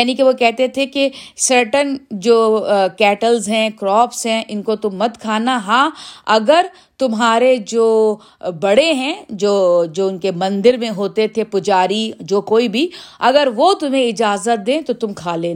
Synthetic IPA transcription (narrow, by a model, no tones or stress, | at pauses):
jaːnikeʋokɛɦt̪et̪ʰekesɐɾʈənd͡ʒoːkɛːʈəlzɦɛ̃kɾɔːpsɦɛ̃ʔɪnkot̪ʊmːɐt̪kʰaːnaɦãːɐɡəɾ | t̪ʊmɦaːɾed͡ʒoː | bɐɽeɦɛ̃ːd͡ʒoːd͡ʒoːʊnkemɐ̃nd̪ɪɾmẽɦoːt̪et̪ʰepʊd͡ʒaːɾid͡ʒoːkoːibʱiɐɡəɾʋot̪ʊm̤ẽɪd͡ʒaːzət̪̚d̪ẽːt̪ot̪ʊmkʰaːlẽː